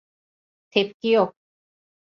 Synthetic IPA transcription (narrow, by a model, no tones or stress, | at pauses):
t̪ʰep̚kiok